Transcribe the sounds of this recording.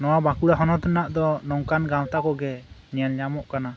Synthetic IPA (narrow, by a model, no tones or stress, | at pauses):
nɔwabakuɽaɦɔnɔt̪ɔnaʔd̪ɔnɔŋkanɡawt̪akɔɡɛnɛjanɲamɔʔkana